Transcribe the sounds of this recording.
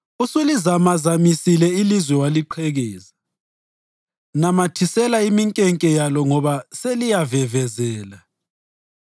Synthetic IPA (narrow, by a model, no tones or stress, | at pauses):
usulizamazamisilɛilizwɛwaliǃʰɛɣɛːza | namatʰisɛlaimiŋkʼɛŋkʼɛjalɔŋɔβaselijavɛvɛzɛːla